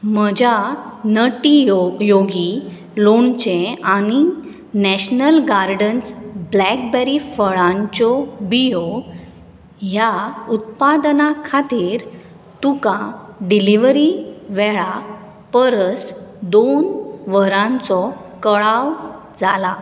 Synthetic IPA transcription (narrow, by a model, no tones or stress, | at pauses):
m̤əd͡ʑanəʈijoɡi | loɳt͡ɕẽani | nɛɕnəlɡaɾɖənsblɛk̚bɛɾifəɭãɲt͡ɕɔbijo | ɦjaut̪̚pad̪nakʰat̪iːɾ | t̪ukãɖiliʋɾiʋɛɭa | pəɾəsd̪onʋəɾãnt͡sɔkəɭaʋ | d͡zala